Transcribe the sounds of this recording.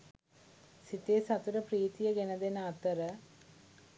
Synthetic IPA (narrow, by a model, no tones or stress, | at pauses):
sit̪ːeːsɐt̪uɾɐpriːt̪ijɐɡenɐd̪enaːt̪ːɐɾɐ